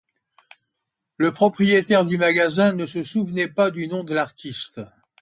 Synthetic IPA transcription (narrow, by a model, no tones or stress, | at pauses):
ləpχɔpχijet̪ɛʁd̪ymaɡazɛ̃nəsəsuvnɛpad̪ynɔ̃d̪əlaʁt̪ist̪